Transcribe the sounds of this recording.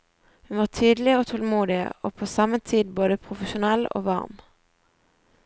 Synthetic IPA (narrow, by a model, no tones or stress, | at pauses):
hʉnʋɑːʁt̪ʰyːd̪lɪoːt̪ʰɔlmuːd̪ɪ̰o̰ːpʰoːsɑmət̪ʰiːd̪boːd̪əpʰʁʊfəʃʊnɛlo̰ːʋɑ̰ʁm